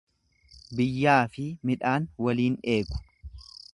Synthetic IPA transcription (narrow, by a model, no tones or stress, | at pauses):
bɪjːaːfɪmɪᶑaːnwɐliːneːkʊ̥